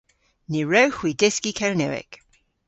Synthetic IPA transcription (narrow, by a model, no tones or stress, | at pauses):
niɹəwxwiːdɪskikʰɛɹnɛwɪ̰ɡ̥